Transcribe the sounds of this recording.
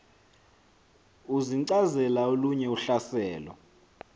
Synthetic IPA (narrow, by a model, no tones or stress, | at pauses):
uziǀazɛlaoluɲɛuɬasɛːlɔ̰